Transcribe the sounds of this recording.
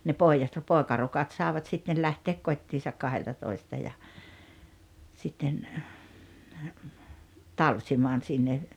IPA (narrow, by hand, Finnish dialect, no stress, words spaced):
ne poˑijɑt poˑekɑrukɑt sɑˑeʋɑt sitːen læhteːk kotʲːiːsɑk kɑheltɑtoistɑ jɑ sitːen tɑlsimɑːn sinːe